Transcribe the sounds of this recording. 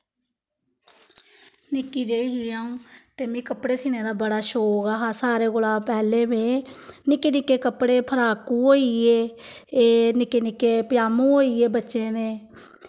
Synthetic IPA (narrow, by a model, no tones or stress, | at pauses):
nɪkːiːd͡ʒeːiɦiːaːũːt̪eːmĩːkəpɽeːsiːneːd̪aːbəɽaːʃoːoɡaːɦaːsaːɾeːɡʊlaːpɛːleːbeːnɪkːeːnɪkːeːkəpɽeːpʰəɾaːkuːɦoːieːeːnɪkːeːnɪkːeːpɪjaːmõːoːiːeːbətːʃẽːneː